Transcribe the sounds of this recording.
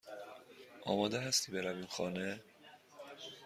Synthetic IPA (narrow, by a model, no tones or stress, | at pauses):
ʔɒ̰ːmɒːd̪eɦæst̪iːbe̞ɾæviːmxɒːne